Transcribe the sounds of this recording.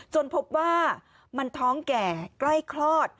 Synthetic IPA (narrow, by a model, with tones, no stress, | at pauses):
t͡ɕo˧npʰo˦˥p̚waː˥˩ | ma˧nt̪ʰɔː˦˥ŋkɛː˨˩kla˥˩jkʰlɔː˥˩t̪̚